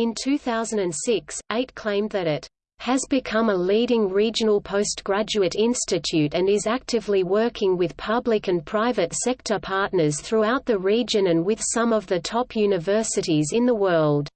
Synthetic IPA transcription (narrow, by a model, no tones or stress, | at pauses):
ɨ̃ntʰʉθaʊz̃n̩dɨ̃nsɪkseɪt̚kʰl̥ẽɪ̃mðɨɾɪt | hɨzbɨkʰʌ̃məliɾɪ̃ŋɹid͡ʒɨnl̩ˠpʰoʊsɡ̥ɹæd͡ʒʉɨɾɪ̃nstɨtʰʉɾɨ̃nɪzæk̚tɨvliwɜ˞kʰɪ̃ŋwɨð̥pʰʌblɨkɨ̃npʰɹ̥aɪvɨtsɛk̚tʰə˞pʰɑɹtⁿnə˞z̥θɹuaʊt̪̚ðɨɹid͡ʒɨ̃nɨ̃nwɪð̥sʌ̃mʌvðɨtʰɑpʰjʉnɨvɜ˞sɨɾizɨ̃nðəwɜ˞lˠd̥